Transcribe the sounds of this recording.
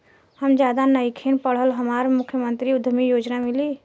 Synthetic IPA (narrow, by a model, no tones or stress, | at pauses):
həmd͡ʒjad̪anəjkʰenpəɽ̤ɦəlɦəmaɾmukʰːjəmənt̪ɾiud̪ʱmijod͡ʒnamili